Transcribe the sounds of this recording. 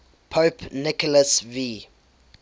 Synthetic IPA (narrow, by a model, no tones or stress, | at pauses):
pʰoːpnɪkɔləsvi